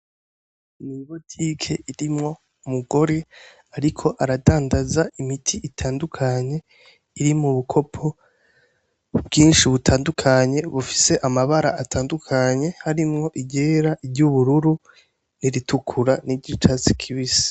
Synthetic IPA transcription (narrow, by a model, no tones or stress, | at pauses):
niβotʰikʰe̞ʔiɾimŋo̞ | umuɡo̞ɾe̞ | aɾikʰo̞ʔaɾadaːndazaimitʰiʔitʰaːndukʰaɲe̞ | iɾimuβukʰo̞pʰo̞ | bɡiːnʃiβutʰaːndukʰaɲe̞βufi̥se̞ʔamaβaɾa̰ʔatʰaːndukʰaɲe̞haɾimŋo̞ʔiɟe̞ːɾaʔiɾɟuβuɾuɾu | niɾitukʰuɾaniɟit͡ʃasi̥kʰiβisḁ